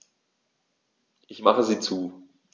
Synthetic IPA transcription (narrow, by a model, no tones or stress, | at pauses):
ʔɪçmaχəziːt͡suː